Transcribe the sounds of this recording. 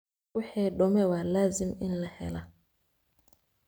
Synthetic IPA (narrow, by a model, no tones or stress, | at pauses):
uhɛɗɔmɛwalaziminlahɛ̰la